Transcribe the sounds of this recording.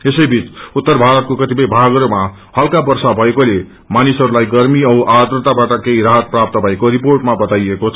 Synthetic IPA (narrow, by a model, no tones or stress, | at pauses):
esʌjbʱit͡sut̪ːʌrbʱaɾʌt̪̚kokʌt̪ipʌjbʱaɡʌɾoma | hʌlkabʌrsabʱʌekole | manisʌɾulajɡʌrmiʌʔad̪rʌt̪abaʈʌkeiɾaɦʌt̪̚prap̚t̪ʌbʱʌekoɾiporʈmabʌt̪ajekot͡sʰʌ